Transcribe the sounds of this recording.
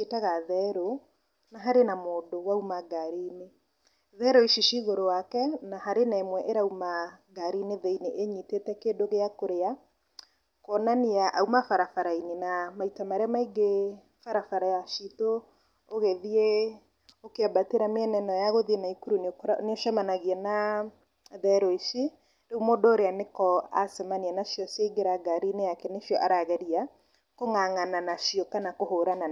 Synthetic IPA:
etaɣaðɛɾo | naɦaɾenamoːdowaumaɡaɾine | ðɛɾoiʃiʃiɣoɾowakɛnaɦaɾenaemwɛʔeɾaumaɡaɾineðeineʔeɲitetɛkeːdoɣeakoɾea | kɔnaniaʔaumafaɾafaɾainenamaitamaɾeamaiɡe | faɾafaɾajaʃito | oɣeðie | okeabateɾameɛnɛnɔjaɣoðienaikuɾunekneoʃamanaɣiɛna | ðɛɾɔiʃi | ɾeumodɔoɾeanekɔa̰sɛmanianaʃiɔseiɡeɾaɡaɾinejakɛneʃiɔʔaɾaɣeɾia | koŋaŋananaʃiɔkanakohoɾana

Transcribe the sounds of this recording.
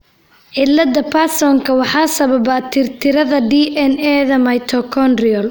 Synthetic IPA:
ʕɪlːɐd̪ɐpʰasɔŋkʰɐwɑħɑːsɐβɐbɐt̪ʰɪrt̪ʰɪɾɐðɐɖiːʔɛnɛːðɐmɐjt̪ʰɔkʰɔndrɪɔl

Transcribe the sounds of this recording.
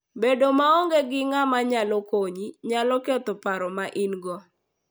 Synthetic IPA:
bedomaɔŋɡeɡɪŋamaɲalɔkoɲiɲalɔket̪ɔpaɾɔmaʔinɡɔ

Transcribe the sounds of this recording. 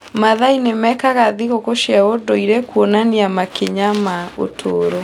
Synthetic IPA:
maðainemɛkaɣaðiɣokoʃiaodoiɾɛkuɔnaniamakeɲamao̰tʰoːɾo

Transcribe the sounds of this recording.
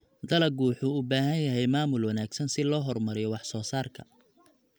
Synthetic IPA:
d̪ɐlɐɡuːħʊʊbaːɦɐnjɐɦɛjmaːmʊlwɑnaːɡsɐnsɪlɔːɦɔrmɐɾɪjɔwɑħsɔːsaːrkʰɐ

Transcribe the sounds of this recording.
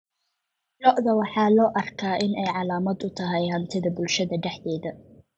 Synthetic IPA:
lɔʔðɐwɑħɑːlɔːʔɐrkʰaːʔɪnɛjʕɑlaːmɐd̪ʊt̪ʰɐɦɛjɦɐnt̪ʰɪðɐbʊlʃɐðɐɖɛħðɛːðɐ

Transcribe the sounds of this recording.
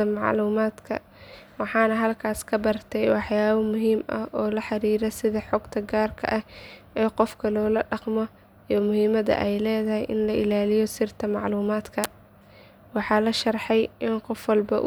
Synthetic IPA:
ɐmɑʕluːmaːd̪kʰɐ | wɑħɑːnɐɦɐlkʰaːskʰɐbɐrt̪ʰɛjwɑħjaːβɐmʊɦiːmɐhʔɔːlɐħɑɾiːɾɛsɪðɐħɔɡt̪ʰɐɡaːrkʰɐ̰ʔɐh | ɛːqɔfkʰɐlɔːlɐɖɑqmɔ | imʊɦiːmɐðɐ̰ʔɛjlɛːðɐhɛjʔɪnlɐʔɪlaːlɪjɔsɪrt̪ʰɐmɑʕluːmaːd̪kʰɐ | wɑħɑːlɐʃɐrħɛjɪnqɔfwɑlbɐʔ

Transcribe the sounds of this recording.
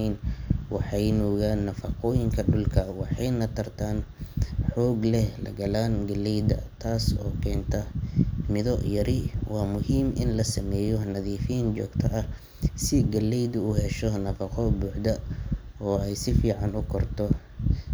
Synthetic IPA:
nwɑħɑjnɔːɣaːnːɐfɐqɔːjɪŋkʰɐɖʊlkʰɐwɑħɑjnɐt̪ʰɐrt̪ʰaːnħɔːɡlɛhlɐ̰ɡɐlaːnɡɐlɛjd̪ɐ̰t̪ʰaːsɔ̰ːkʰɛːnt̪ʰɐmɪðɔʔjɐɾɪwɑːmʊhiːmʔɪ̰nlɐsɐmɛːjɔnɐðiːfijnt͡ʃɔ̰ːɡt̪ʰɐʔɐ | sɪɡɐlɛjd̪ʊʊhɛʃɔnɐfɐqʰɔbuːħd̪ɐɔːɛjsɪfiːʕɑnʊkʰɔrt̪ʰɔ

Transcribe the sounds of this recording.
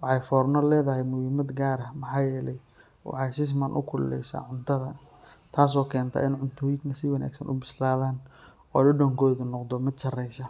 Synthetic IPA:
wɑħɑjfɔːrnɔlɛːðɐɦɛjmʊhiːmɐd̪ɡaːɾɐmɑħɑːjɛːlɛj | wɑ̰ħɑsɪs̬mɐnʔʊ̰kʰʊllɛ̰jsa̰ːʕʊnt̪ʰɐðɐ | t̪ʰaːs̬ɔːkʰɛːnt̪ʰɐ̰ːʔɪnʕʊnt̪ʰɔːjɪɡnɐsɪwɑnʔa̰ːɡsɐnʔʊ̰bɪslaːðaːn | ɔːɖɪɖɔːŋkʰɔːðʊnɔqd̪ɔmɪd̪ʃɐrɛjsɐ

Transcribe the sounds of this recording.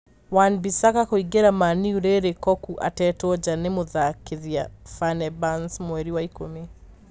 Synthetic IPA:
wanbisakakoiɡeɾamaniuɾeɾekɔkuʔa̰tɛtwɔd͡ʒanemoðakeðiafanɛbansmwɛɾiwaikome

